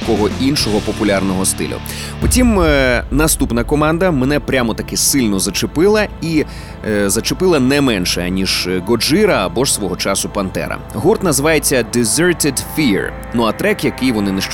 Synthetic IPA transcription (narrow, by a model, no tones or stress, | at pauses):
kɔɦɔʔinʃɔɦɔpɔpʊlʲarnɔɦɔst̪ɪ̰lʲʊ̰ | pɔtʲimnɐst̪upnɐkɔmɑnd̪ɐmenɛpɾʲamɔt̪ɐkɛsɪlʲnɔzɐt͡ʃepɪlˠɐi | zɐt͡ʃepɪlˠɐnɛmɛnʃɛnʲiʒɡɔd͡ʒɪɾɐːbɔʒsʋɔɦɔt͡ʃɑsʊpɐnt̪ɛ̰ɾɐ̰ɦurt̪nɐzʋɑjet͡sʲːɐd̪ɪzʲøɹt̪ɪd̪fʲiɹ | nuɐt̪ɾɛkjɐkɪjʋɔnɪneʃt͡ʃ